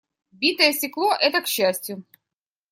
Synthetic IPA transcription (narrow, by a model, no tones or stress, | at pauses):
bʲit̪əjəsʲtʲɪklˠo̞ʔɛt̪əkɕːæsʲtʲjʊ